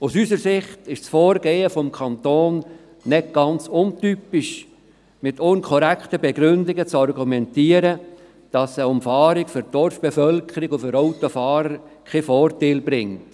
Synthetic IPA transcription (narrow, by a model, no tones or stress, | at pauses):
usysəɾsɪχtɪʃsfɔːɾɡeːəfɔmkʰɑnt̪oːnː | ɛt̚ɡ̥ɑnt͡sʊntypɪʃ | mɪtʊnkʰɔɾækχtəbeɡɾʏndɪɡət͡sɑrɡumɛntiːəɾə | d̥ɑsəʊmfɑːɾɪkfʏɾd̥ɔrfb̥efœlkʰəɾɪɡufʏɾoʊtofɑːɾəɾ | kʰefɔːrtaːlbɾɪŋt